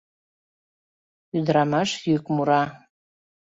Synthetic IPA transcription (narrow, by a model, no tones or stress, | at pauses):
yd̪ɾɑmɑʃjykmuɾɑ